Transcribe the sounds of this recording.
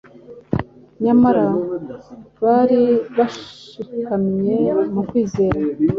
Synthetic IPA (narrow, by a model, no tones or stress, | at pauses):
ɲamaɾa | βaːɾiβaʃikamɲe̞mukwiːze̞ːɾa